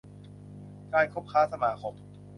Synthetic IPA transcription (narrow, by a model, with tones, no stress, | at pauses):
kaː˧jkʰo˦˥˩p̚kʰaː˦˥sa˧maː˨˩kʰo˨˦˥ŋ̚